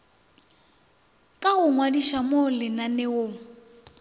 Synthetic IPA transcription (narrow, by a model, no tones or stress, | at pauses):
kʼaɣʊŋwadiʃamolɪnanɛʊ